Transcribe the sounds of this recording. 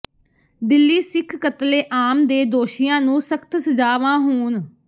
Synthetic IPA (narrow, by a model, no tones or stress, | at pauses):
d̪ɪlːiːsɪkʰkət̪leːʔaːmd̪eːd̪oːʃijãːnũːsəkʰt̪səd͡ʒaːʋãːɦuːn